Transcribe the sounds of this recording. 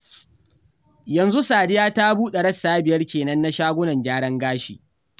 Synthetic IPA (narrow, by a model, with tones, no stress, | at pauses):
jɐ˨nzu˦saː˨dɪ˦jaː˦ta˦buː˦ɗe˨ɽɐ˦sːaː˦bɪ˨jɐ˦rkʲeː˨nɐ˦nːa˦ʃaː˦ɡʷʊ˦nɐ˨ɲɡʲaː˦ɽɐ˦ŋɡaː˦ʃḭː˨ʔ